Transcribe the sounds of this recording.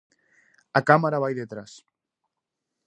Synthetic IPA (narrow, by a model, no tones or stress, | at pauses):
akamaɾaβajðet̪ɾas